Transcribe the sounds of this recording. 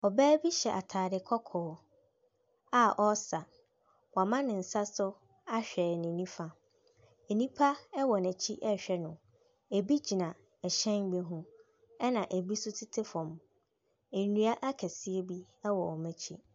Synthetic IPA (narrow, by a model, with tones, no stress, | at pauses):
ɔ˨bɛː˦bi˦ɕɛ˨ʔa˨tʰaː˨dɪ˨kʰɔ˦kʰɔː˨˦ | a˦ʔɔ˦sa˨ | wa˨mã˦nɪ̃˨n̩˨sa˦sʊ˦ | a˦ɕᶣɛ˨nĩ˨nĩ˦fa˨ | ɛ˨nĩ˦pʰa˦ɛ˦wɔ˨næ̃˨t͡ɕʰi˦ʔɛ˦ɕᶣɛ˨nʊ̃˨ | e˨bi˦d͡ʑi˨nã˨ | ɛ˨ɕɛ̃˦ŋ˦ɡ͡be˦ɦũ˦ | ɛ˦nã˨ʔæ˨bi˦sʊ˦tʰɪ˦tʰɪ˦fɔ̃˨m | ɛ˨˦nũ˦a˦ʔa˦kʰɛ˨sɪ˦e˦bi˦ | ɛ˦wɔ˨ɔ˨mæ̃˨t͡ɕʰḭ˦